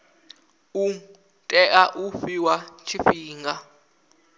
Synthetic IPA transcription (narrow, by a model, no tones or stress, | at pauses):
u | tʼɛʔaʔufiwat͡ʃʰifiːŋɡa